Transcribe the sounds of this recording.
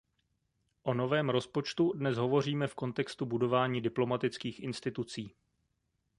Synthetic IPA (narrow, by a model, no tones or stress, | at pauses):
ʔo̞no̞vɛːmɾo̞spot͡ʃt̪udnɛsɦo̞vo̞r̝iːmɛfko̞nt̪ɛkst̪ubudo̞vaːɲiːdɪplo̞mat̪ɪt͡skiːxʔɪnst̪ɪt̪ut͡siː